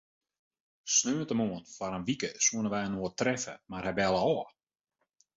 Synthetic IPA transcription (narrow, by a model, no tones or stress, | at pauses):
snøːəntəmoənfaɾənʋikəsuənəʋɛjənoətrɛfə̰marhɛbɛlˠəɔː